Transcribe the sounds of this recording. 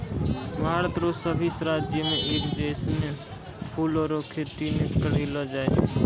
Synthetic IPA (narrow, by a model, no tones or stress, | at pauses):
bʱaːɾət̪ɾoːsəbʱisɾaːd͡ʒjəmẽʔiɾd̪eːsne | pʰuːlɔːɾokʰet̪inekəɽ̤iləd͡ʒaːe